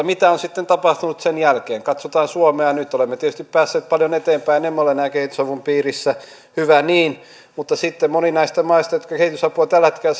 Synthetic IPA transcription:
mit̪æonsit̪ːent̪ɑpɑht̪unut̪senjælkeːŋkɑt̪sot̪ɑːnsuomeɑjɑnyt̪ːolemːet̪iet̪yst̪ippæːsːeːt̪̚pɑljonet̪eːmpæinemːeolenæːkehit̪ysɑʋumpiːrisːæ | hyʋæniːn | mut̪ːɑsit̪ːemmoninɑist̪ɑmɑist̪ɑjot̪̚kɑkehit̪ysɑpuɑt̪ælhet̪kelæ

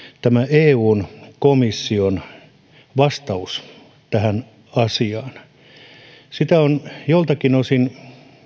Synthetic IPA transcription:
t̪æmæeːuːnkomisːion | ʋɑst̪ɑus | t̪æhæn | ɑsiɑːn | sit̪æonjolt̪ɑkinosin

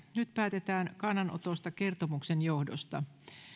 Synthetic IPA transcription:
nyt̪pæːt̪e̞t̪æːnkɑnːɑnʔo̰t̪o̞st̪ɑke̞rt̪omuksenjo̞hdo̞̰st̪ɑ̰

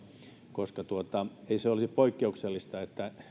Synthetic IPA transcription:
koskɑt̪uot̪ɑeiseolisipoikːeukselːist̪ɑet̪ːæ

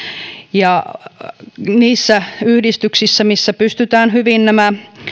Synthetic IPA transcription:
jɑ | niːsːæyhdist̪yksisːæmisːæpyst̪yt̪æːnhyʋinnæmæ

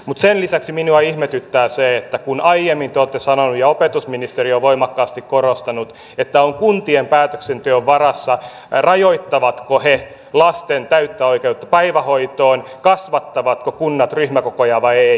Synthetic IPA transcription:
mut̪senlisæksiminuɑihmet̪yt̪ːæːseet̪ːækunɑijemːint̪eoːt̪ːesɑnonujɑopet̪usminist̪erioʋʋoimɑkːɑːst̪ikkorost̪ɑnut̪ | et̪ːæoŋkunt̪iempæːt̪øksent̪yøʋʋɑrɑsːɑ | rɑjoit̪ːɑʋɑt̪kohe | lɑst̪ent̪æyt̪ːæoikeut̪ːɑ̥pæiʋæhoit̪oːnkɑsʋɑt̪ːɑʋɑt̪kokunːɑt̪ryhmækokojɑːʋɑie

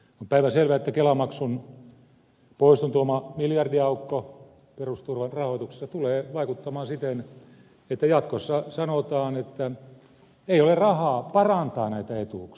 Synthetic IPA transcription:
ompæiʋæselʋæet̪ːækelɑmɑksun | poist̪ont̪uomɑmiljɑrdiɑukːo | perust̪urʋɑnrɑhoˑit̪ukse̥sːɑt̪uleːʋɑikut̪ːɑmɑːsit̪en | et̪ːæjɑt̪kosːɑsɑnot̪ɑːnet̪ːæ | eiolerrɑhɑːpɑrɑnt̪ɑːnæit̪æet̪uk

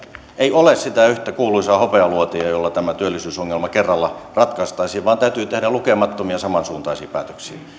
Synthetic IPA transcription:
eiolessit̪æyht̪ækuːlˑuisɑhopeɑluot̪iɑjolːɑt̪æmæt̪yølːisyːsoŋːelmɑkerːɑlːɑrɑt̪kɑist̪ɑisiːʋʋɑːnt̪æyt̪yːt̪ehɾælukemɑt̪ːomiɑsɑmɑnsuːnt̪ɑˑisiːpæ̰ːt̪ø̥ksḭ

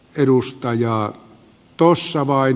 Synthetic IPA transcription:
eɾust̪ɑjɑː | t̪osːɑʋɑˑin

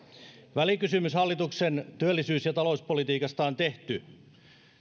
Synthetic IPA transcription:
ʋælikysymyshɑlːit̪uksent̪yølːisyːsjɑt̪ɑlo̞uspolit̪iːkɑst̪ɑːnt̪e̞ht̪y

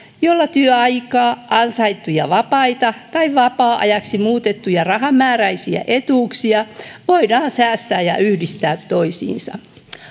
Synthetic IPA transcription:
jolːɑt̪yøɑjkɑːʔɑnsɑit̪ːujɑʋɑpɑit̪ɑt̪ɑiʋɑpɑːʔɑ̰jɑksimuːt̪et̪ːujɑrɑɦɑmːæːræisiæ̰ʔet̪uːksiɑʋoidɑːnsæːst̪æːjɑ̰ʔyhdist̪æːt̪ːoisḭːnsɑ̰

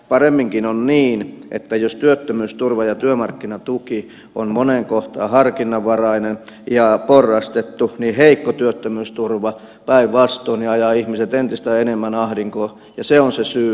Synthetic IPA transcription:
pɑremːiŋkinonniːnʔḛt̪ːæjost̪yøt̪ːømyːst̪urʋɑjɑt̪yømɑrkːinɑt̪uki | ommoneŋkoht̪ɑ̰ːhɑrkinːɑʋʋɑrɑinenjɑporːɑst̪et̪ːuniheikːot̪yøt̪ːømyːst̪urʋɑ | pæiʋʋɑst̪ˑoːniɑjɑːihmiset̪ent̪ist̪æenemːænɑhɾiŋkoː | jɑseonsesyː

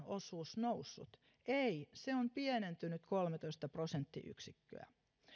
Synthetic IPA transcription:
osuːsnousːṵt̪ | eiseompienent̪ynyt̪kolmet̪oist̪ɑprosent̪ːḭʔy̰ksikːø̰æ̰

